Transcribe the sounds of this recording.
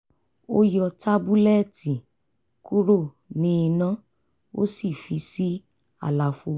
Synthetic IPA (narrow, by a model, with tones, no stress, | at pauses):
o˦jɔ˧ta˦bu˦lɛ˦˨ti˨ | ku˦ɾo˦˨ | nĩ˦i˧nã˦ | o̰˦si˦˨fi˧˦si˦ | a̰˦˨la˨˧fu˧˦